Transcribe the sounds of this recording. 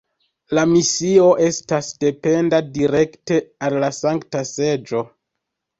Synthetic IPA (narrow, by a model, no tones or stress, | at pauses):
lamisio̞ʔe̞stasde̞pe̞ndadiɾe̞kte̞alːasaŋktase̞d͡ʒo̞